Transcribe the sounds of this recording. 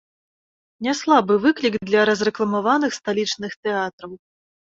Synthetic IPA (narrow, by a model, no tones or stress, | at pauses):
nʲɛslˠabɨvɨklʲiɡdd̪lʲɐɾɐzrɛklˠɐmavanɨxst̪alʲit͡ʂnɨxt̪ɛat̪ɾɐw